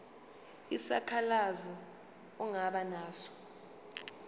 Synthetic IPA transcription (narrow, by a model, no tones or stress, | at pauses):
isakʰalazɔ | uŋaɓanaːsɔ̥